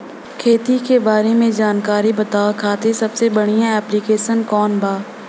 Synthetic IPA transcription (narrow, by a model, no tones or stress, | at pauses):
kʰeːt̪ikebaːɾemẽd͡ʒaːnkaːɾibɐt̪aːakʰaːt̪esɐbsebɐɽ̤ijãɛːplikeːʃənkɔːnbaː